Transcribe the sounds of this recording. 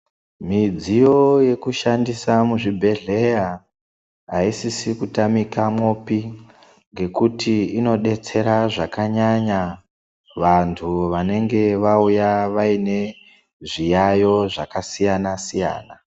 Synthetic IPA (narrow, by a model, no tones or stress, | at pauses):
mid͡zijo̞je̞kuʃandisamuʐibʱe̞ɮe̞ja | ɦaisisikutamikamo̞pi | ŋɡe̞kutiino̞ɗe̞t͡se̞ɾaʐakaɲaɲa | ʋantʰuʋane̞ŋɡe̞ʋaujaʋaine̞ | ʐijajo̞ʐakasijanasija̰ːna